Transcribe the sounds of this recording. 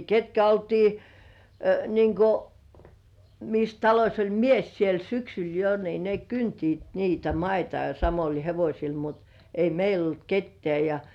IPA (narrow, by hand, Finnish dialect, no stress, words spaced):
ketkæ oltiː niːŋ ko mis tɑlosʲ olʲ mies siel syksyl jo ni ne kyntiːt niːtæ mɑitɑ jɑ sɑmolʲ heʋosʲil mut ei meil olt ketːĕæˑ jɑ